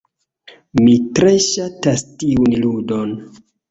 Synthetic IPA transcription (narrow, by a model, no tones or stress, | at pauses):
mitɾe̞ʃatastiunludon